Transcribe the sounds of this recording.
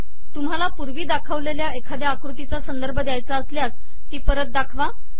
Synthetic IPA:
t̪um̤ɦalapuɾʋiːd̪akʰəʋleljaekʰad̪jeakɾut̪it͡sasənd̪əɾbʱəd̪jajt͡saəsljas | t̪iːpəɾət̪̚d̪akʰʋa

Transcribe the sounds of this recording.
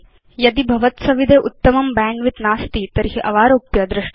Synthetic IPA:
jɐd̪ibʱɐʋɐt̪sɐʋid̪ʱeʔut̪ːɐmɐmbɛːɳʋit̪naːst̪it̪ɐɾɦiʔɐʋaːɾoːpjɐd̪ɾɐʃ

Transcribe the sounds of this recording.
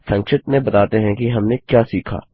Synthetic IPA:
sɐ̃ŋkʃɪt̪mẽbɐt̪aːt̪eɦɛ̃kiɦɐmnekjaːsiːkʰa̰ː

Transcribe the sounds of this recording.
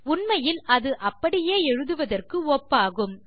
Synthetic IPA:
ʊɳmɐjɪlɐðɯʔɐpːɐɽɪjeːɛɻɯðɯʋɐðɐrkɯoːpːaːɣɯm

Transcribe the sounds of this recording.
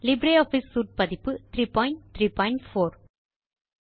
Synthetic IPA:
lɪbɾeɔːfiːsːuːʈ̚pɐðɪpːɯt̪ʰɾiːpɔːɪ̃ɳʈt̪ɾiːpɔɪɳʈfoːɾ

